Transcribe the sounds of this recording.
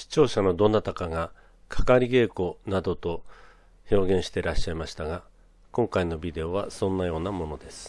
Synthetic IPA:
ɕi̥t͡ɕo̞ːɕano̞d̪o̞nat̪akaɡa | kʰḁkaɾʲiɡe̞ːko̞nad̪o̞t̪o̞ | ço̞ːɡẽ̞ɰ̃ɕi̥t̪e̞ɾaɕːaimaɕi̥t̪aɡa | kõ̞ŋkaino̞bʲid̪e̞o̞β̞asõ̞nːajo̞ːnamo̞no̞d̪e̞sɨ̥

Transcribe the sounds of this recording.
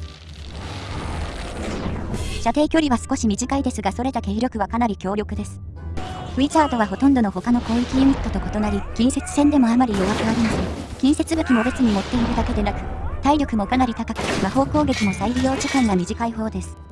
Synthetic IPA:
ɕat̪e̞ːkʲo̞ɾʲiβasɨ̥ko̞ɕimʲiʑikaid̪e̞sɨɡaso̞ɾe̞t̪ake̞ːɾʲo̞kɯ̟βakanaɾʲikʲo̞ːɾʲo̞kɯ̟d̪e̞sɨ̥ | ɸɯ̟it͡ɕaːd̪o̞βaɦo̞t̪õ̞nd̪o̞no̞ho̞kano̞ko̞ːikʲijɯ̟m̟ʲit̪ːo̞t̪o̞ko̞t̪o̞naɾʲikʲĩɰ̃se̞t͡sɨ̥sẽ̞nd̪e̞mo̞amaɾʲijo̞βakɯ̟aɾɯnad̪ekʲĩɰ̃se̞t͡sɨɡɯ̟kʲimo̞be̞t͡sɨɲ̟imo̞t̪ːe̞iɾɯ̟d̪ake̞d̪e̞nakɯ̟̥t̪aiɾʲo̞kɯ̟mo̞kanaɾʲit̪akakɯ̟maho̞ːko̞ːɡe̞kʲimo̞saiɾʲijo̞ːt͡ɕɨkãŋɡamʲiʑikaiɦo̞ːd̪e̞sɨ̥

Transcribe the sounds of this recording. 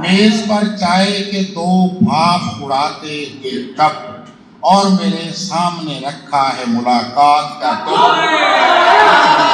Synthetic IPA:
meːzpəɾt͡ʃaːeked̪oːbʱaːbʊɽaːt̪eɦʊeʈəb̚ | ɔːɾmeːɾesaːmneɾɐkʰːaɦɛmʊlaːkaːt̪kaɾt̪eɦ

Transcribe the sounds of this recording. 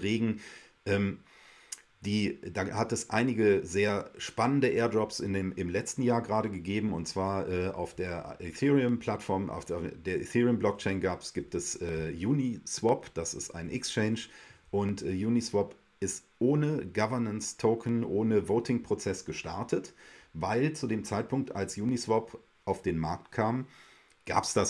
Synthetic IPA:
ʁeːɡŋ̩ | ʔɛːm | d̥iːdaːhatɛsʔa̰ɪnɪɡəzeːɐʃpanəndəʔeːɐdɔpsɪnːmɪmlɛt͡stn̩jaːɐɡəʁaːɾəɡəɡeːbm̩ʊ̰ntt͡sv̥aːɐʔɛːʔa̰ʊfd̥eːɐʔɪθiːʁiəmpʰl̥atfɔɐmʔa̰ʊfd̥eːɐʔɪ̰θiːʁiəmblɔk̚t͡ʃɛɪnɡaːpsɡ̥iːp̚tɛsʔɛːjuːniswɔpd̥asɪ̰stʔa̰ɪnʔɪ̰kst͡ʃɛɪnʃʔʊntʔɛːjuːnisw̥ɔp | ɪst | ʔoːnəɡavɐɐnənstʰoʊkʰənʔoːnəvoːtʰɪŋpʁ̥ot͡sɛsɡ̥əʃta̰ɐtʰətvaɪlt͡sudeːmt͡saɪt̚pʰʊŋk̚tʔa̰lsjuːnisv̥ɔp | ʔaʊfd̥eːnmaɐk̚tkʰaːm | ɡ̥a̰ːpsd̥as

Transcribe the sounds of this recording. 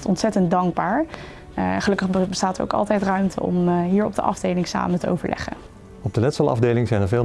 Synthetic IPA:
tɔntsɛtəntdɑŋɡ̚baːɹ | ɛχəlɵkəχbəstaːtəɹo̰wkɑ̰lˠtɛjtrœɥmtʰə̰ɔ̰mɦiːɹɔb̚dəʔɑ̰vdejlɪŋsa̰ːmətəo̰wvə̰ɹlʔɛ̰χə̰n | ɔb̚dənɛtsɑlˠɑ̰vdejlɪŋzɛjnəɹvɪːl

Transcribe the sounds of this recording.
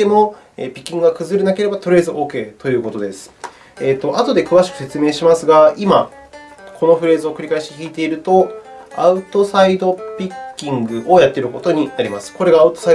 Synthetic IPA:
emo̞ | ḛːpʲi̥kʲːĩŋɡɯɡakɯ̟zɨɾenake̞ɾe̞bat̪o̞ɾɯ̟ezɨʔo̞ːke̞ːt̪o̞jɯ̟ːko̞t̪o̞d̪e̞sɨ̥ | eːt̪ːo̞ʔat̪o̞d̪e̞kɯ̟βaɕi̥kɯ̟̥se̞t͡sɨme̞ːɕimasɨɡaima | kʰo̞no̞ɸɯ̟ɾe̞ːzɨokɯ̟ɾʲikaiɕi̥t̪eçʲiːt̪e̞iɾɯ̟t̪o̞aɯ̟t̪o̞said̪o̞pʲikʲːĩŋɡɯ̟ʔo̞jat̪ːe̞ɾɯ̟ko̞t̪o̞ɲ̟inaɾʲimasɨ̥ko̞ɾe̞ɡaːɯ̟t̪o̞sai

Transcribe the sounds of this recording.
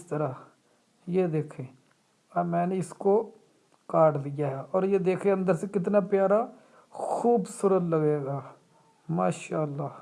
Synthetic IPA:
ɪst̪əɾaː | jeːd̪eːkʰeː | amɛ̃ːneːɪskoː | kaːʈlɪjaːɦɛːɔːɾjeːd̪eːkʰẽːə̃nd̪əɾsẽkɪt̪naːpjaːɾaː | xʰuːbsʊɾət̪ləɡeːɡaː | maːʃaːəlːaː

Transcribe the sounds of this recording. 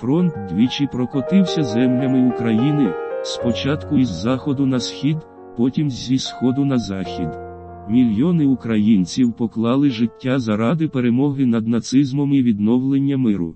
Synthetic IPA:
fɾɔnt̪d̪ʲʋʲit͡ʃɪpɾɔkɔt̪ɪwsʲɐzɛmlʲɐmɪukɾɐjinɪspɔt͡ʃɑt̪kʊizːɑxɔd̪ʊnɐsxʲid̪ | pɔtʲimzʲisxɔd̪ʊnɐzɑxʲid̪ | mʲilʲjɔnɪʊkɾɐjinʲt͡sʲiwpɔklˠɑlˠɪʒɪtʲːazɐɾɑd̪ɪpeɾemɔɦɪnɐd̪nɐt̪sɪzmɔmiʋʲid̪nɔwlˠenʲːɐmɪɾʊ̰

